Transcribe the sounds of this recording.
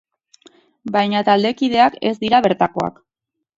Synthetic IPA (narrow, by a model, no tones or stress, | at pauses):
bajɲat̪ald̪e̞kiðe̞ake̞zd̪iɾaβe̞ɾt̪ako̞a̰k